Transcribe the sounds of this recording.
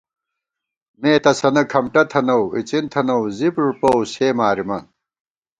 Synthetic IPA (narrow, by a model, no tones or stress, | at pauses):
mẽːt̪ɐsɐnɐkʰɐmʈɐt̪ʰɐnɐwit͡sint̪ʰɐnɐwzipʐupɐwseːmaːɾimɐn